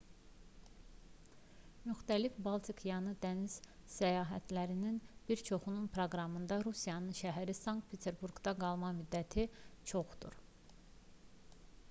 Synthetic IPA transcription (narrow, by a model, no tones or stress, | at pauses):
myxt̪ælifbɑlˠt̪ʰikʰjɑnɯd̪æniz̥sæjɑːɦæt̪ʰlæɾininb̥iɾt͡ʃʰo̞χununpʰɾoɡɾɑmɯnd̪ɑɾusijɑnɯnʃæɦæɾisɑŋkt̪̚pʰet̪ʰeɾbuɾɡd̪ɑɡɑlˠmɑmyd̪ːæt̪ʰit͡ʃʰo̞χd̪̥ṵɾ